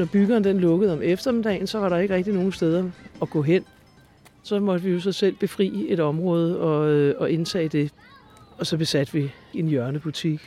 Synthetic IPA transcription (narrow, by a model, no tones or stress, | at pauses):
nɒb̥yɡ̥ɐːnd̥enlɔ̽ɡ̥əð̞̩ˠɒ̽mefd̥ɐme̝d̥ɛ̰ːɪn̩sɒ̽ʋɑ̈ɾɑ̈e̝ɡ̥əʁɛɡ̥̚d̥ino̝ːŋ̩sd̥eð̞ˠɐɒ̽ɡ̥ɔ̰̽ːɦen̰ | sɒ̽mɒ̽d̥əʋijo̝s̬ɒ̽sel̰b̥e̝fʁḭːe̝d̥ɒ̽mʁɔ̽ːð̞ˠəɒ̽ɒ̽ʔe̝nt͡sʰɛ̰ːd̥e̝ | ɒ̽sɒ̽b̥e̝sæd̥ʋi | e̝njɶɐnəb̥ut͡sʰiɡ̥